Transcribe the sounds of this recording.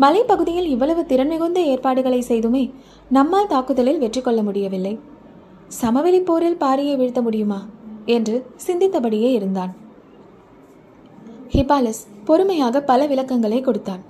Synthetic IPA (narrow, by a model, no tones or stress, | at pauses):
mɐlɐɪpɐɣɯðɪjɪlɪʋːɐɭɐʋɯt̪ɪɾɐnmɪɣɯnd̪ɐeːɾpaːɽɯɣɐɭɐɪsɛjðɯmeː | nɐmːaːlt̪aːkɯðɐlɪlʋɛʈrɪkːɔɭːɐmʊɽɪjɐʋɪlːɐɪ | sɐmɐʋɪlɪpːoːɾɪlpaːɾɪjeːʋɪɻɯt̪ːɐmʊɽɪjɯmaːɛndrɯsɪnd̪ɪt̪ːɐpɐɽɪjeːɪɾɯnd̪aːn | hɪpːaːlɐspɔɾɯmɐjaːɣɐpɐlɐʋɪlɐkːɐŋɡɐɭɐɪkːɔɽɯt̪ːaːn